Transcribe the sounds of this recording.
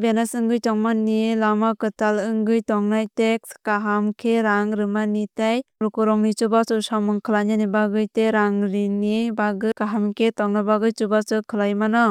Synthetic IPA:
benasɯŋɡɯjtɔŋmanilamakɯtalɯŋɡɯjtɔŋnajtek̚skaɦamkʰeɾaŋɾɯmanitajpɾukuɾɔŋnit͡ʃubasɯsamɯŋkʰɯlaɲanibaɡɯjteɾaŋɾinibaɡɯkaɦamkʰetɔŋnabaɡɯjt͡ʃubat͡ʃɯkʰɯlajmanɔ

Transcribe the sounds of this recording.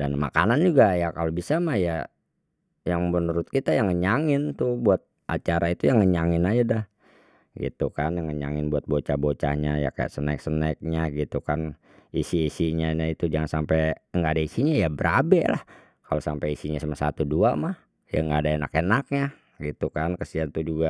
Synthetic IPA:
danma̰kanand͡ʒuɡajakalobisamahja | jaŋmənuɾʊt̪̚kit̪ajaŋːəɲaŋɪnt̪ubuat̪̚ʔa̰t͡ʃaɾait̪ujaŋːəɲaŋɪnad͡ʒadah | ɡḭt̪ukanjaŋəɲa̰ŋɪnbuat̪̚bot͡ʃahbot͡ʃa̰hɲaja̰ka̰ja̰ʔsəna̰k̚sənaɪk̚ɲaɡit̪ukan | isiːsiɲanait̪ud͡ʒaŋansampɛjŋɡaːdaisiɲajabəɾabɛ̰la̰h | kalosampajisiɲasəmasat̪uduamah | ja̰ŋɡaːdaena̰kenak̚ɲa | ɡit̪ukankəsiant̪ud͡ʒuɡa

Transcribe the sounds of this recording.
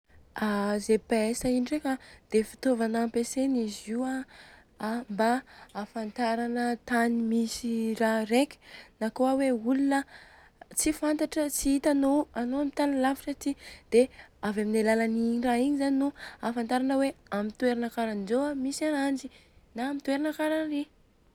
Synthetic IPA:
azepaesainiɖ͡ʐekad̪̥efi̥t̪ovanapesenizia | mbaːfant̪aɾanət̪animisiraɾekʲi̥nakoaweulunə | t͡sifant̪aʈ͡ʂət͡siit̪anoanoamit̪anilafiʈ͡ʂat̪id̪̥eavaminalalaniraiɲizaninuafant̪aɾanəweamit̪ueɾanakaɾanizoamisanand͡ʒinaːmit̪weɾanakaɾanri

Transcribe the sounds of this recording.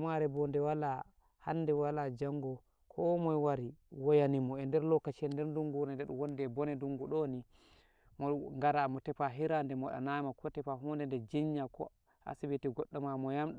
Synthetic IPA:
maɾɛbɔndɛwala | hanːdɛwalad͡ʒaŋɡɔ | kʰɔmɔjwaɾiwɔjanimɔɛndɛɾlɔkːat͡ʃiɛndɛɾduŋɡunandɛɗuwɔndɛbɔnɛduŋɡuɗɔni | mɔŋɡaɾamɔtɛpaɦiɾandɛmɔɗa̰namakʰɔtɛpaɦundɛndɛd͡ʒiɲːakɔ̰ | a̰sibitiɡɔɗːɔmamɔjamɗ

